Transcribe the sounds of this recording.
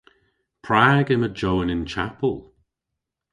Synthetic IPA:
pʰɹaːɡəməd͡ʒowənɪnt͡ʃʰa̰pəlˠ

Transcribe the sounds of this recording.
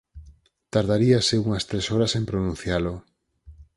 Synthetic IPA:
t̪aɾðaɾiaseuŋɐst̪ɾesɔɾasempɾonũn̟θjalo

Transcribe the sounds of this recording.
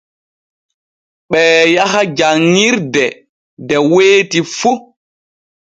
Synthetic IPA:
ɓɛːjaɦad͡ʒaŋːiɾdɛ | dɛweːtifu

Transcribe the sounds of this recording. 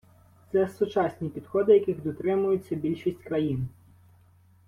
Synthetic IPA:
t̪sɛsʊt͡ʃɑsʲnʲipʲid̪xɔd̪ɪjɐkʲɪɣd̪ɔt̪ɾɪmʊjʊt͡sʲːɐbʲilʲʃisʲtʲkɾɐjin

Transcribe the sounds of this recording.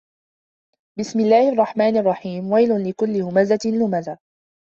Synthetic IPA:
bɪsmɪlːaːhɪʔɑrˤːɑħmaːnʔɑrˤːɑħiːmwajlʊnlɪkʊlːɪhʊmazalːʊmaza

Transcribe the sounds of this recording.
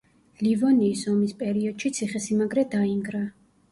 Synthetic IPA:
livɔniːsɔmispʼɛɾiɔd̪̥ʃit̪sʰiχɛsimaɡɾɛd̪aiŋɡɾa

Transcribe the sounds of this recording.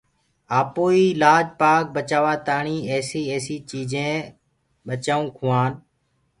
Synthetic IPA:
aːpoːiːlaːd͡ʒpaːk̚bət͡ʃaːʋaːt̪aːɳiːɛːsiːeːsiːt͡ʃiːd͡ʒẽː | ɓət͡ʃaːũːkʰʊːaːn

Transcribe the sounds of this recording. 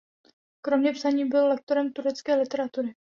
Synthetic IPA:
kɾo̞mɲɛpsaɲiːbɪllɛk̚t̪oɾɛmt̪uɾɛt͡skɛːlɪt̪ɛɾat̪uɾɪ

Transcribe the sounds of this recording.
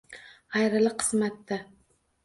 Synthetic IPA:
ɑjɾɪlˠɪqʰɨ̥smat̪ːa

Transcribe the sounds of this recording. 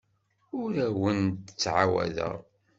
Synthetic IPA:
ʊɾæwənt̪ət͡sːʕawæ̰ðə̰ʁ

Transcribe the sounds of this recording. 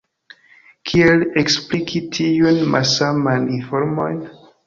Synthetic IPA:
kʰieleksplikʰitʰiunmʔa̰samajnifoɾmo̰jn

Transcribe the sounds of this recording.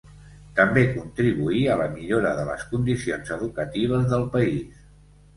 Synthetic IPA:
t̪əmbekunt̪ɾiβuiələmiʎoɾəðələ̰skund̪isionzəðukət̪iβ̞əzðəlˠpəis

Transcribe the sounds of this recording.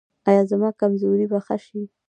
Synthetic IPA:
ɑjɑzamɑkamzoɾibaxaʃi

